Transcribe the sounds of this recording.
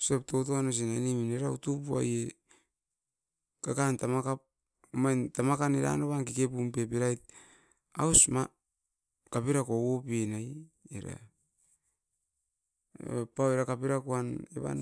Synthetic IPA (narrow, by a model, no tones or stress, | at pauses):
sep̚to̞toanos̬inanimineɾautupua̰je | kakantamakap̚ | majntamakaneɾa̰noβankikep̬umpe̞p̬iɾajt̚ | awsma | kapiɾakowopienaj | ḛɾa̰ | paweɾakapiɾakuanḛβa̰n